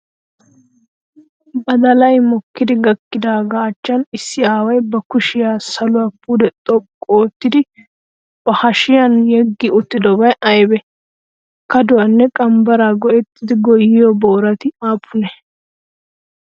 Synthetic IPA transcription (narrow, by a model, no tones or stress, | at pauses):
bɐd̪ɐlɐjmɔkːɪd̪ɪɡɐkːɪd̪aːɡaːt͡ʃːɐnɪsːɪaːwɐjbɐkʊʃɪjaːsɐlʊwapːuːd̪ɛt̪ʼɔkʼːoːt̪ːɪd̪ɪ | b̥ɐhɐʃɪjɐnjɛɡːɪʊt̪ːɪd̪ɔbɐjɐjbɛ | kɐd̪ʊwɐnːɛkʼɐmbɐɾaːɡɔʔɛt̪ːɪd̪ɪɡɔjːɪjɔbo̞ːɾɐt̪ɪaːpʰːʊnɛ